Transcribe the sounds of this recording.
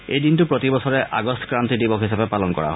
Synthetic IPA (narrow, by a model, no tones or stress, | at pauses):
ejd̪intupɹɔt̪ibɔsɔɾeʔaɡɔstʰɔ̥kɾant̪idibɔkʰɦisabepalɔnkɔ̰ɹa̰ɦ